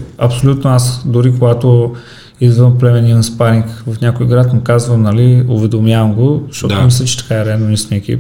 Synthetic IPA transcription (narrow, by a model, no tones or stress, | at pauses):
ɐpsolʲut̪noasd̪oɾikoɡat̪o | izvəmplɛmɛninspaɾiŋkvɐfnʲakojɡɾat̪mʊkazvəmnɐliovɛd̪omjavəmɡoʃt̪ɔt̪mislʲɛt͡ʃɛ̥t̪ɐ̥kaɛɾɛalnonisnʲiɛkḭp